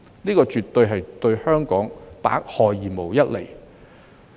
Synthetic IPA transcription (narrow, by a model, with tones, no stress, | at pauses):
niː˥kɔː˧t͡ʃyː˨t̪ːɵ˧ɥɦɐ˨jt̪ɵ˧ɥhœː˥ŋkɔː˨˥ŋp̪a̰ː˨˥k̚hɔː˨jːiː˨˩mo˨˩wjɐ˥t̚le˨˩j